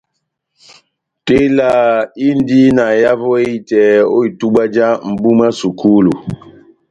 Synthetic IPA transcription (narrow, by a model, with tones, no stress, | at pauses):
te˦la˨i˦n˦di˦na˨ja˦vɔ˦e˦˨tɛ˨o̰˦i˨tu˦ɓa˦d͡ʒa˦m̩˨bu˦ma˦su˨kʰu˦lu˨